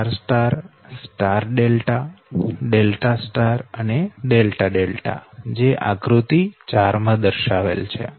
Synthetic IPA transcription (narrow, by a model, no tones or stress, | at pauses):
aɾsʈaɾsʈaɾɖelʈaɖelʈasʈaɾəneɖelʈaɖelʈa̰d͡ʒeʔakɾut̪it͡ʃaɾmãd̪əɾʃaʋḛlt͡ʃʰḛ